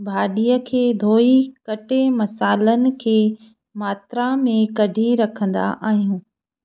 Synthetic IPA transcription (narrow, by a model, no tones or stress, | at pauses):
bʱaːɗijəkʰeːd̪ʱoːikɐʈemɐsaːlənɪ̆kʰeː | maːt̪ɾãmẽkɐɖʱiɾɐkʰə̃nd̪a̰ʔaːɦijũː